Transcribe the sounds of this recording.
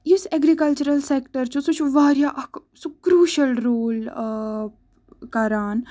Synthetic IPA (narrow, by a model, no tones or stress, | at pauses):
jiseɡɾikɐlt͡ʃuɾəlseːkʈəɾt͡ʃũsut͡ʃʰuʋaːɾjaʔɐk | sukɾuːʃɐlɾoːl | kɐɾaːn